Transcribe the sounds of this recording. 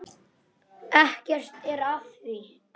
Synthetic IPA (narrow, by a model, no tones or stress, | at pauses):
ɛhcɛr̥t̪ɛɾaθvi